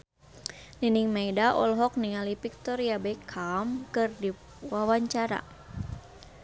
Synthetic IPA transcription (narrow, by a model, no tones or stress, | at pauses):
niniŋmejdaʔɔ̰lɦɔk̚niŋalipik̚t̪ɔɾijabɛkʰamkɨrdi | wawaɲt͡ʃaɾa̰